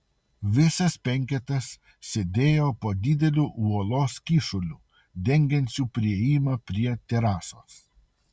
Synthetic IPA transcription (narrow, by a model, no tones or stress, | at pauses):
ʋʲɪsɐspʲɛŋʲkʲɛt̪ɐs | sʲed̪ʲeːjoːpoːd̪ʲɪd̪ʲɛlʲuːʔuɔlˠoːskʲiːʃʊlʲuː | d̪ʲɛŋʲɡʲɛnʲsʲuːpʲɾʲiɛiːmɐpʲɾʲiɛt̪ʲɛɾɑːso̰ːs